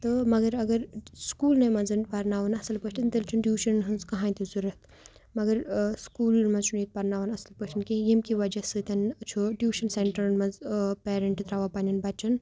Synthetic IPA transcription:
t̪ɨmɐɡɐɾɐɡɐɾskuːlnɐmɐnzɨnpɐɾnaːʋɐnɐsɐlpɐt͡ʃʰʈ̪ɐnt̪ilt͡ʃʰunɖjuːʃɐnɦɨnzkɐɦãːjt̪ʰizuɾɐt̪ | mɐɡɐɾskuːlmɐzt͡ʃʰunit̪̚pɐɾnaːʋɐnɐsɐlpɐt͡ʃʈʰinkejemkiʋɐd͡ʒɐsɨt̪ʲɐnɐt͡ʃʰoɖjuːʃɐnseɳʈɐɾnmɐzpeːɾeɳʈt̪ɾaːʋapanʲɐnbɐt͡ʃɐn

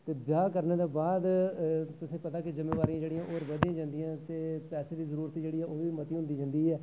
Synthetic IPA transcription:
t̪eːbjaːkəɾneːd̪aːbaːd̪t̪ʊsĩːpət̪aːkɪzɪmːeːʋaːɾiãːd͡ʒeːɽɪjãːʔoːɾʋəd̪ijãːd͡ʒãːnd̪ijãːt̪eːpɛːseːd̪iːzəɾuːɾt̪iːd͡ʒeːɽiːɛːʔoːʋiːmət̪iːɦʊ̃nd̪iːd͡ʒãːnd̪iːɦɛː

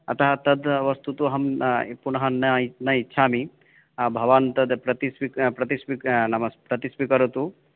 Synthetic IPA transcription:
ɐ̰t̪ɐɦɐt̪ɐd̪ʋɐst̪ut̪uɐɦɐmpunɐɦɐnɐnɐitːʃʰaːmi | bʱɐʋaːnt̪ɐd̪pɾɐt̪ispikpɾɐt̪ispiknɐmɐspɾɐt̪ispikɐɾut̪u

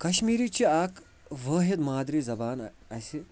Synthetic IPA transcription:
kɐɕmiːɾit͡ɕiaːk | ʋəːɦet̪maːd̪ɾiːzɐbaːn | ajsi

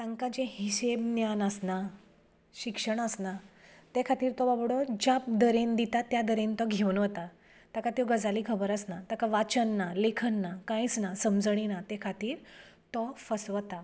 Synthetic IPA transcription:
t̪ãŋkad͡ʑẽhiɕebnjanəsna | ɕikʂəɳ̃əsnat̪ekʰat̪iːɾt̪ɔbabɽɔd͡ʑap̚d̪əɾend̪it̪at̪jad̪əɾent̪ɔɡʱewənʋət̪a | t̪akat̪joɡəd͡zalikʰəbəɾəsnat̪akaʋat͡ɕənːalekʰənːakãĩt͡snasəmd͡zəɽ̃inat̪ekʰat̪iːɾt̪ɔfəsʋət̪a

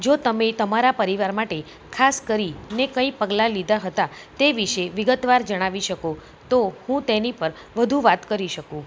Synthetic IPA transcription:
d͡ʒot̪əmet̪əmaɾapəɾiʋaɾmaʈe | kʰaskəɾinekəipəɡlalid̪ʱaɦət̪a | t̪eʋiʃeʋɪɡət̪ʋaɾd͡ʒəɽ̃aʋiʃəko | t̪ohũt̪enipəɾ | ʋəd̪ʱũʋat̪kəɾiʃəkũ

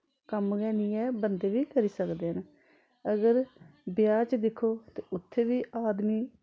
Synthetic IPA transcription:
kəmɡɛːnɪːɛːbənd̪eːʋiːkəɾiːsəkd̪eːɦən | əɡəɾbɪjaːt͡ʃd̪ɪkʰːoːt̪eːʊt̪ʰːeːʋiːʔaːd̪miː

